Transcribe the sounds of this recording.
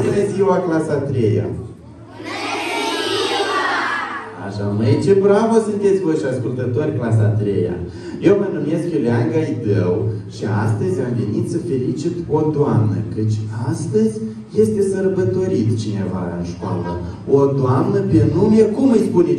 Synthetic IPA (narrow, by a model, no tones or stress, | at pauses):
inezʲiwaklasat̪ɾeja̰ | a̰ʃamejt͡ʃebɾavəsɨnt̪et̪sʲvojʃiaskult̪ət̪o̞rʲklas̬at̪ɾḛja̰ | je̞wmənumje̞skjuleaŋɡajid̪əwʃiast̪əzʲamve̞nit̪səfe̞lit͡ʃit̪od̪oamnə̰kɨt͡ʃʲast̪əzʲ | je̞st̪e̞sərbət̪o̞ɾit̪t͡ʃine̞va̰ɨnʃkoa̰lə̰ | od̪oamnəpenumeekumɨjspune